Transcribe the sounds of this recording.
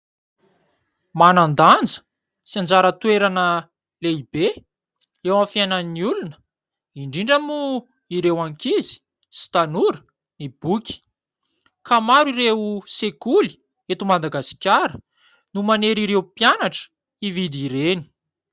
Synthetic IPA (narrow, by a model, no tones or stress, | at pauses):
manand̪and͡zə̥ | siand͡zaɾət̪weɾanə | leibe | ewãfjajnanniulunə̥ | iɳɖ͡ʐiɳɖ͡ʐamu | iɾewaŋkizi̥ | si̥t̪anuɾə | nib̥ukʲi̥ | kamaɾiɾewusekuli̥ | et̪umad̪aɡasi̥kʲaɾə | numaneɾiɾewpianaʈ͡ʂə̥ | ivid̪iɾeni̥